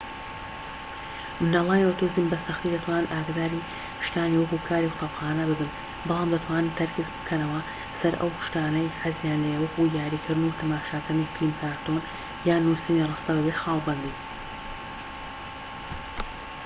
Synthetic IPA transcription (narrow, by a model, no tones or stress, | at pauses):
mɨnalˠaːjot̪ozimbɐsɐxt̪iːd̪ɐt̪ʰwaːnɨnʔaːɡd̪aːɾi | kʃt̪aːniwɐkuːkʰaːɾiwʊt̪ʰɑpxaːnɐbɨbɨn | bɑlˠaːmd̪ɐt̪ʰwaːnɨnt̪ʰɐɾkʰɨzbɨ̥kʰɐnɐwɐ | sɐɾʔɐ̰wkʃt̪aːnɐjħazjaːnlejwɐkujaːɾiːkʰɨɾd̪ɨnut̪ʰɐmaːʃaːkanifilmkʰaːɾt̪on | jaːnusɨmirˤɑːst̪ɐbɨbet̪xaːlbɐnd̪iː